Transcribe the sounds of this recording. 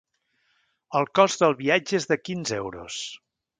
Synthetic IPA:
əlˠkɔzðəlˠβiad͡ʒəezðəkinzewɾṵs

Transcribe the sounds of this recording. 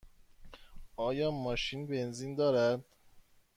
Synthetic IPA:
ɒːjɒːmɒːʃiːnbe̞nziːnd̪ɒːɾæd̪̥

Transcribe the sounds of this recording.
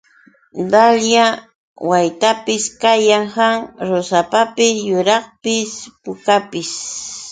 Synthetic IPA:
d̪alja | wajt̪apɪskajaŋhaŋɾosapapɪjʊɾɑχpɪspʊkapɪs

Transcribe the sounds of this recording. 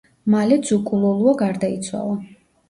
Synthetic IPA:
malɛd̪z̥ukʼulˠɔlˠuaɡaɾd̪ait̪sʰwa̰lˠa

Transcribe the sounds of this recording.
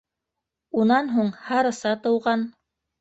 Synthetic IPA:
unɑnɦuɴhɑɾɤ̆sɑt̪ɤ̆wʁɑn

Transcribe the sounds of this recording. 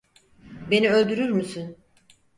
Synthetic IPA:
be̞niø̞lʲd̪yɾyɾmysyn

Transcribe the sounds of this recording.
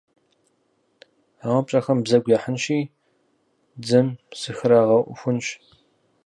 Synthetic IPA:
aːwɐpɕʼɐxɐmbzɐɡʷjaħənɕiː | d͡zɨmsɨxɨɾaːʁɐʔʷʊ̰xʷʊnɕ

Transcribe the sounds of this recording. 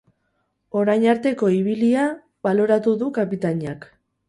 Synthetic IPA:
o̞ɾajnaɾt̪e̞ko̞iβ̞ilia | βalo̞ɾat̪uðukapit̪aɲiak

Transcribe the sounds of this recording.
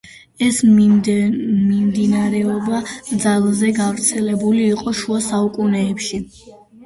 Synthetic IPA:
ɛs | mimd̪inaɾɛɔbad̪zalˠzɛɡavɾt̪sʰɛlɛbuliːqʼɔʃuasaukʼunɛːpʃi

